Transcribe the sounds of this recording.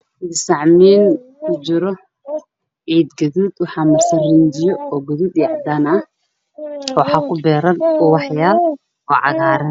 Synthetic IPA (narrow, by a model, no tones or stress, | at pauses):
d̪ɪsɑʕmiːn | kʰʊt͡ʃɪɾɔ | ʕiːd̪ɡɐðuːd̪wɑħɑːmɐrsɐnrɪnd͡ʒɪjɔɔːɡɐðuːd̪jaʕd̪aːnɐh | wɑħɑːkʰʊbɛːɾɐnɔwɑħjaːl | ɔːʕɑ̰ɣaːɾɐn